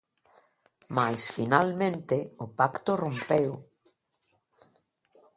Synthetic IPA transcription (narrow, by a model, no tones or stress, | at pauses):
majsfinalmẽnt̪eʊpakt̪orompew